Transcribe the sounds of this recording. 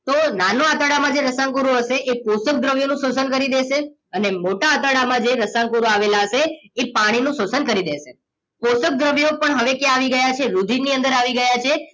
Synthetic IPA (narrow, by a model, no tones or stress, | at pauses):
t̪onanoat̪əɽamãd͡ʒeɾəsãŋkuɾoɦəʃeʔeposək̚d̪ɾəʋjonũsosənkəɾid̪eʃe | ənemoʈaːt̪əɽamãd͡ʒeɾəsãŋkuɾoaʋelaɦəʃeːpaɽ̃inũsosənkəɾid̪eʃe | posək̚d̪ɾəʋjopəɳɦəʋekjaʋiɡəjat͡ʃʰeɾud̪ʱiniənd̪əɾaʋiɡəjat͡ʃʰe